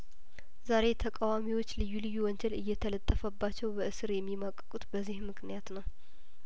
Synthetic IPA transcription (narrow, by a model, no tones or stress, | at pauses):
zaɾe̞t̪ʰəkʼawamiwo̞t͡ʃːlɨjːulɨjːuwɔnd͡ʒɛlɨjːɛt̪ʰələt̪ʼːəfəbːat͡ʃːɛwbəʔɨsɨɾjɛmːimakʼːəkʼut̪bəzːihmɨknijat̪nəw